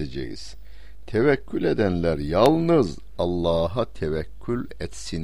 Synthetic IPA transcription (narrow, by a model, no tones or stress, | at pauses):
ed͡ʒḛjḭz̥ | t̪ʰɛvæcʰːyled̪ænlʲæɾjɑlˠnɯz | ɑlˠːɑːɦat̪ʰɛvæcʰːylʲ | ɛt̪sin